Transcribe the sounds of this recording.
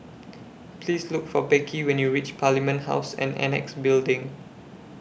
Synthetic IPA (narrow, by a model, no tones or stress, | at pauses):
pʰlislʊkfɔbɛkʰiwɛ̃njuɹit͡ʃpʰalimə̃ntha̰ʊsɛ̰̃nɛ̰nɛ̰ksbildɪ̃ŋ